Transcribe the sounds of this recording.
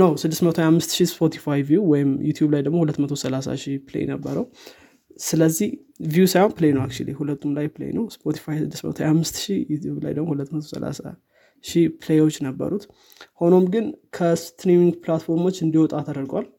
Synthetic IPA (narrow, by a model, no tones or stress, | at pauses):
nəwsɨd̪ːɨsmət̪ʰojhamːɨst̪ʃispʰo̞t̪ʰi̥fajvijuwɔjɪmjut̪ʰjublajd̪əɡmo̞hulət̪ːmət̪ʰo̞səlasa̰ʃiplḛj̰nəbːəɾəw | sɨləzːih | vjusajhonplejnəwakt͡ʃṵlḭhulət̪ʰːumlajplḛj̰nəwspʰo̞t̪ʰi̥fajsɨd̪ːɨsmə̰t̪ʰoajhamːɨst̪ʃijut̪jubla̰jd̪əɡmo̞hulət̪ːmət̪ʰo̞sə̰la̰sa̰ | ʃipʰɨlejwot͡ʃːnəbːə̰ɾut̪ | ho̞no̞mɡɨnkʰəst̪ɾimiŋɡpʰlat̪fo̞ɾmo̞t͡ʃːɨnd̪ihwɔt̪ʼat̪ʰəd̪əɾɡwal